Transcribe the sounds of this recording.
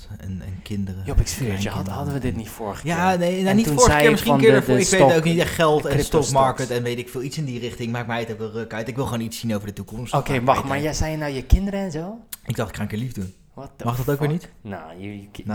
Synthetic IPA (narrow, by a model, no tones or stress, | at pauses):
ɛnɛ̰nkɪndərəjopɪksɪəhɑdəʋədɪtnitfʊːɹχəjanejnanittufoːɹəkɪːɹmɪsχikɪːɹdəfɪkʋejowknitɛχχɛlˠtɛnstɔpmɑɹkətɛnʋejtɪkfɪːlˠitsɪndirɪχtɪŋmaːk̚mɛjətokʋɪlˠrøkœɥtɪkʋɪlˠχʋoːnitsinowvəɹdətukɔmstkemɑmaɹjɛsɛjənawjəkɪndəɾəɛnzowɪɡdɑχtɪ̥kχaːnkɪːɹlivdun | mɑχdɑtowkʋɪːɹnitnoj